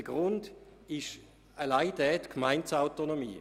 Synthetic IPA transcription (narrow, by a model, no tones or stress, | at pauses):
ɡʁʊndɪʃ | alaɪd̥ɛːtkʰmaɪntsaʊtonomḭː